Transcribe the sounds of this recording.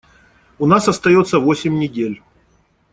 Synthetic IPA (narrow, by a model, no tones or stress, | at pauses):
ʊnasɐst̪ɐjo̞t̪sːəvo̞sʲɪmʲnʲɪdʲelʲ